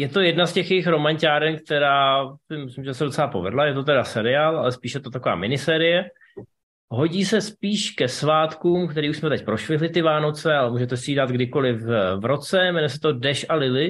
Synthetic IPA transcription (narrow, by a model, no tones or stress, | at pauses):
jɛt̪o̞jɛdnascɛxjɛɪxɾo̞maɲcaːɾɛnk̚t̪ɛɾaːsɪmɪslɪmʒɛsɛdo̞t͡sɛlapo̞̰vɛ̰dlajɛt̪̬o̞t̪ɛdasɛɾɪaːlʔa̰lɛspiːʃjɛt̪ot̪akova̰ːmɪnɪsɛːɾɪjɛ | ɦo̞ɟiːsɛspiːʃkɛsvaːt̪kuːmkt̪ɛɾiːʔuʃsmɛt̪ɛc̚pɾo̞ʃlɪɦlɪt̪ɪvaːno̞t͡sɛalɛmuːʒɛt̪ɛsɪiːdat̪ɡdɪko̞lɪfvɾo̞t͡sɛmɛnɛsɛ̥t̪o̞dɛʃalɪlɪ